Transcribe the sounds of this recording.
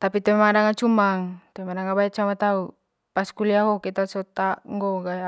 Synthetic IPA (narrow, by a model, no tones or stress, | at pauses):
t̪apit̪ɛmadaŋat͡ʃumaŋt̪emadaŋabaɛt̚t͡ʃamat̪au | paskuliaɦɔkit̪asɔt̪aŋɡɔɡaja